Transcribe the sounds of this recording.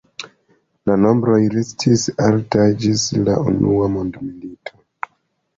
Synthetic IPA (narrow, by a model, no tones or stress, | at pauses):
lano̞mbɾo̞jɾestʰisaltad͡ʒisla̰ṵnṵamondmilitʰo̞